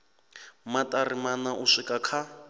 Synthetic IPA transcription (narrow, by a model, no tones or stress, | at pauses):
matʼarimanaʔuʂikʼakʰa